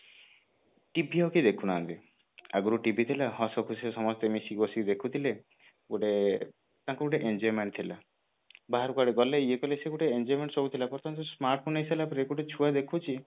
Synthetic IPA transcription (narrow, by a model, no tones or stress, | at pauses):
ʈibiɦɔkid̪ekʰunaːnt̪i | a̰ɡuɾuʈibit̪ʰilaɦɔsɔkʰusesɔmɔst̪emisikbɔsikid̪ekʰut̪ʰile | ɡoʈe | t̪ãŋkuɡoʈeʔend͡ʒɔjmeɳʈ̚t̪ʰila̰ | baɦaɾukaɽeɡɔleiekɔleseɡuʈeend͡ʒɔjmeɳʈsɔɡut̪ʰilapɔɾt̪ʰɔnt̪ɔsmaɾʈ̚pʰonesalapɾeɡuʈet͡ʃʰuad̪ekʰut͡ʃʰi